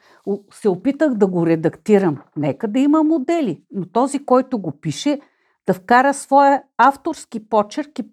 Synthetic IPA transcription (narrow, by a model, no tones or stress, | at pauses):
sɛopit̪əɣd̪ɐɡoɾɛd̪ɐkt̪iɾəmnɛkəd̪ɐimɐmod̪ɛlinot̪ɔzikɔjt̪ʊɡopiʃɛ | d̪̥ɐfkaɾəsvɔjəaft̪oɾskipɔt͡ʃɛɾki